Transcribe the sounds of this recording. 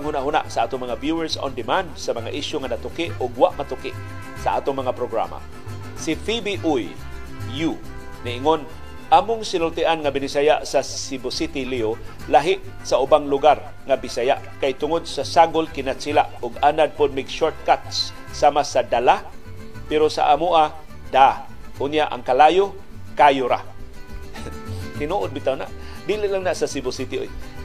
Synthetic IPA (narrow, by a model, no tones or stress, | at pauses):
ŋhʊnaʔɦʊna̰ʔsaʔaːt̪ʊŋmaŋavjuɛɹso̰nd̪ɪmand̪samaŋa̰ʔɪʃjʊŋanat̪ʊkɪʔʊɡwaʔmat̪ʊkɪʔ | saʔa̰ːt̪ʊŋmɐŋapɾoɡɾa̰ma̰ | sifibiʔuj | ju | nɪʔɪŋon | ʔaːmʊŋsɪnʊlt̪ɪʔanŋabɪnɪsajaʔsasibʊsit̪ɪlio | laɦɪʔ | saʔʊbaŋlʊɡar | ŋabɪsaja̰ʔkajt̪ʊŋʊd̪̚sasaɡʊlkɪnat̪silaʔʊɡanad̪̚pʊd̪̚mɪɡʃoɹt̪̚kat̪sː | amasad̪ala | pɛɾosa̰ʔamʊʔa | d̪a | ʔʊnjaʔa̰ŋkalajo | kajʊɾa̰ | t̪ɪnuʔʊd̪̚bɪt̪awna̰ʔ | d̪iliʔlaŋnaʔsasɪbʊsit̪ɪʔoj